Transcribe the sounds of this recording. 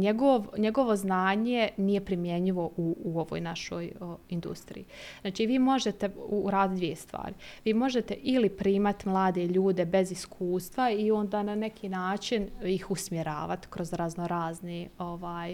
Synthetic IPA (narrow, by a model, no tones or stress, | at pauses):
ɲeɡoʋɲeɡo̞ʋo̞znaːɲenijepɾimjeɲiʋo̞ʔuːoʋo̰ːjnaʃo̞ːjind̪ṵst̪ɾḭjiz̥naːt͡ʃiːʋiːmo̞ʒet̪e̞uːɾaːd̪it̪d̪ʋijest̪ʋa̰ːɾiʋiːmo̞ʒe̞t̪eʔilipɾiːmat̪imlˠaːd̪e̞ʎuːd̪e̞be̞ziskʰuːst̪ʋaio̞nd̪aːnane̞kʰiːnaːt͡ʃinjixusmjeɾa̰ːʋat̪i̥kɾo̞zɾaznoɾaːznio̞ʋaːj